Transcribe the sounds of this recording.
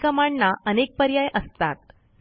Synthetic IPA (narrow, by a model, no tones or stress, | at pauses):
kəmaɳːaʔənek̚pəɾjajʔəst̪at̪̚